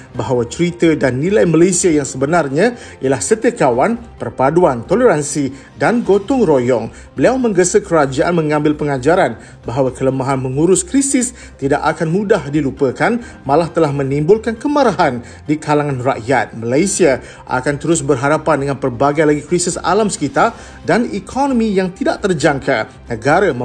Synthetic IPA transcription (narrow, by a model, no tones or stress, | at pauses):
baɦawat͡ʃɾit̪ədanːĩlajmalajsiajaŋsəbənarɲã | ijalahsət̪əkawan | pərpaduant̪oləɾansi | danɡot̪ʊŋrojɔŋ | bəliawmə̃ŋɡəsəkəɾad͡ʒaʔanmə̃ŋãmbɪlpəŋad͡ʒaɾan | baɦawakələmaɦanmə̃ŋuɾʊskɾisɪs | t̪idaʔakanmũdahdilupəkan | mãlaht̪əlahmə̃nĩmbʊlkankəmaɾaɦan | dikʰalaŋãnra̰ʔjat̪̚malajsia | ʔa̰kant̪əɾʊs̬bərɦaɾapandəŋãnpərbaɡajlaɡikɾisisa̰lamsə̥kit̪a | danikʰonɔmĩjaŋt̪idaʔt̪ərd͡ʒaŋkʰa | nəɡaɾa